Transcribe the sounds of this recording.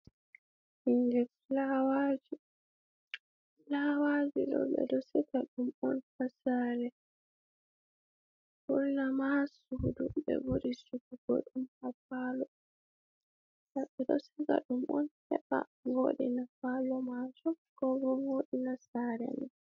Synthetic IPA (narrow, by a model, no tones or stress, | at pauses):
hiŋɡɛflawad͡ʒi | lawad͡ʒuɗɔ̰ɓɛ̰dɔsɛkaɗumɔnfasaɾɛ | kulnamasuduɓɛ̰buɾisukuɡ̥ɔ̰ɗumhafalɔ | saɓɛdɔsika̰ɗumʔɔ̰nhɛɓa̰ŋoɗinafalɔmad͡ʒɔ | kɔɡɔŋoɗinasaɾɛ̰nɛ